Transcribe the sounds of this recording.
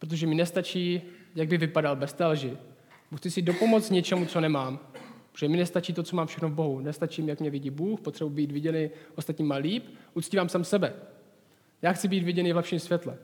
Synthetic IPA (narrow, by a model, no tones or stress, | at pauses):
pɾot̪oʒɛmɪnɛst̪at͡ʃiːjaɡ̚bɪvɪpadalbɛst̪ɛlʒɪ | buːxt͡sɪsɪdo̞pomot͡sɲɛt͡ʃɛmut͡so̞nɛmaːmɾoʒɛmɪnɛst̪at͡ʃiːt̪ot͡somaːmfʃɛxnovboɦunɛst̪at͡ʃiːmjakmɲɛvɪɟiːbuːxpot̪r̥ɛbubiːt̪vɪɟɛnɛʔost̪at̪ɲiːmaːliːpʔutt͡sciːvaːmsaːmfsɛbɛ | jaːxt͡sɪbiːt̪vɪɟɛnɪvlɛpʃiːmsvʲjɛt̪lɛ